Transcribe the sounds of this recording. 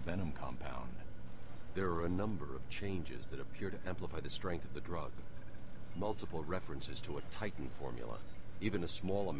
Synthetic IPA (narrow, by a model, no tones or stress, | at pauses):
vɛñə̃mkʰɑ̰̃mpʰã̰ʊ̃nd̥ðə˞ːɨnʌ̃mbə˞ʌv̥t͡ʃʰẽɪ̃nd͡ʒɪ̰zðɨɾɨpʰɪɹɾɨʔæ̃mpləfaɪðɨstɹ̥ɛ̃ŋk̚θʌvðɨdɹʌɡ̥ | mʌlˠtəpl̩ˠɹɛfɹɨ̃nsɨz̥tʰəətʰaɪʔn̩fɔ̰ɹmj̰l̩ˠə̰ivɨ̃nɨsmɔlˠəm